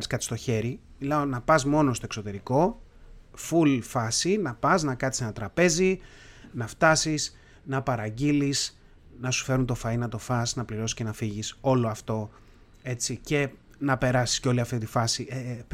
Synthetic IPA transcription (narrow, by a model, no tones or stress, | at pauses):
ɾiskɐt̪i̥st̪o̞çe̞ɾimilɐo̞nɐpɐzmo̞nost̪o̞e̞kso̞t̪e̞ɾiko̞ | fulfɐsinɐpɐznɐkɐt̪i̥se̞nɐt̪ɾɐpe̞zi | nɐft̪ɐsis | nɐpɐɾɐɟilis | nɐsu̥fe̞ɾunt̪o̞fɐinɐt̪o̞fɐsnɐpliɾo̞si̥sce̞nɐfiʝiso̞lo̞ɐft̪o̞ | e̞t͡sice̞ | nɐpe̞ɾɐsi̥sceo̞liɐft̪it̪ifɐsie